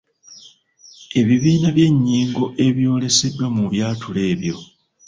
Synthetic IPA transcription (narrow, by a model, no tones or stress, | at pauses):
e̞βiβiːnaβje̞ɲːiːŋɡoʔe̞βjo̞ːle̞se̞dːwamuβjaːtʰule̞ːβjo̞̰